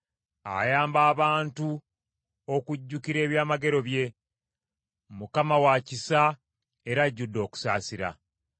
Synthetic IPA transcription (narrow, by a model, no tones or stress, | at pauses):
a̰jaːmbaːβaːntu | o̞kuɟːukiɾe̞ːβjaːmaɡe̞ɾo̞βje̞ | mukamawacisa | eɾaɟːudːo̞ːku̥sa̰ːsiɾa̰